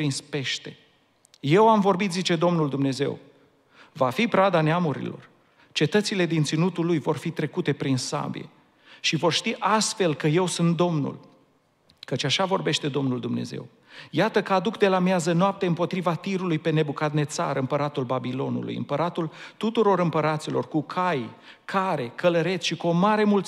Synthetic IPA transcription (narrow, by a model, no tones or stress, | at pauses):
pɾinspe̞ʃt̪e̞ | je̞wamvo̞rbit̪zit͡ʃe̞d̪o̞mnuld̪umne̞ze̞̰w | vafipɾad̪aneamuɾḭlo̞̰r | t͡ʃe̞t̪ət̪sile̞d̪int̪sinut̪ulːujvo̞rfit̪ɾe̞kut̪e̞pɾinsa̰bḭje̞̰ | ʃivo̞rʃt̪iʔast̪fe̞lkəje̞wsunt̪̚d̪o̞mnṵl | kət͡ʃaʃavo̞rbe̞ʃt̪e̞d̪o̞mnuld̪umne̞̰ze̞̰w | jat̪əkəad̪ukd̪e̞lamjazənoap̚t̪e̞ɨmpo̞t̪ɾivat̪iɾulujpe̞ne̞bukat̪ne̞t̪sa̰ɾɨmpəɾat̪ulbabilo̞nṵlṵjɨ̰mpəɾat̪ult̪ut̪uɾo̞ɾɨmpəɾat̪silo̞̰rkukʰaj | kʰaɾe̞kələɾe̞t̪sʃikuo̞maɾe̞mult̪